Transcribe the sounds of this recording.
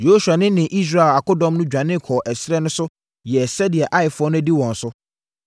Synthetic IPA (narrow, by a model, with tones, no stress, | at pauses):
jo˦ɕa˨nɪ̃˦nɪ̃˨ʔi˦s̬ɾa˦˨la˨kʊ˦dɔ̃˦mnʊ̃˦d͡ʑᶣã˨nɪ̃˦˨kʰɔː˨ʔɛ˨sɾɛ˦nʊ̃˦sʊ˦ | jɛ˨sɛ˦dɪ˨ɛ˨ʔa˦ɪ˨fʊ˦ɔ˦nʊ̃˦æ˦di˦wɔ̃˨n̩˨sʊ˦